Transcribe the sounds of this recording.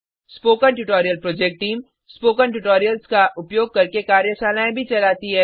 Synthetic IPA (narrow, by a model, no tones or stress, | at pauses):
spoːkənʈʊʈoːɾijəlpɾoːd͡ʒek̚ʈ̚ʈiːm | spoːkənʈʊʈoːɾijəlskaʔʊpjoːɡ̚kɐɾkekaːɾjəsaːlaːẽbʱit͡ʃɐlaːt̪iɦɛː